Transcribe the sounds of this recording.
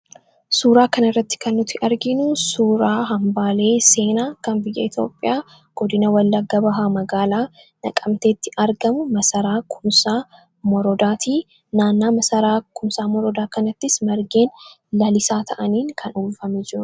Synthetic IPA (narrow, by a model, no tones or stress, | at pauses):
suːɾaːkɐnɪrːɐt̪ːɪ̥kɐnːʊt̪ɪʔɐɾɡɪnʊsuːɾaːɦɐmbaːle̞ːse̞ːnaːkɐmbɪjːɐ̰ɪt̪ʰjo̞̰ːpʼːɪjaː | ɡ̥ɔd̪ɪnɐwɐlːɐɡːɐbɐɦaːmɐɡaːlaː | nɐ̰kʼɐmt̪e̞ːt̪ːɪʔɐɾɡɐmʊmɐsɐɾaːkʰʊmsaː | mɔɾɔd̪aːt̪iː | naːnːaːmɐsɐɾaːkʊmsaːmɔɾɔd̪aːkɐnɐt̪ːɪsmɐɾɡe̞ːn | lɐlɪsaːt̪ʰɐʔɐniːŋkʰɐnʊmfɐmɛd͡ʒɪuː